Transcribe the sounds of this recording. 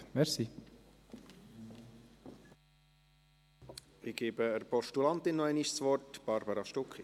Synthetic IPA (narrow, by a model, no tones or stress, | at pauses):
mɛɾsi | ɪɡ̥eːbəəɾpɔʃtulɑnt̪ɪnːɔæɪnɪʃsʋɔrtb̥ɑɾbɑɾɑʃtʊki